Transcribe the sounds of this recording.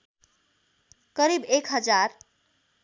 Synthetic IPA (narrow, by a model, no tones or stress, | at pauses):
kʌɾibekɦʌd͡ʒaɾ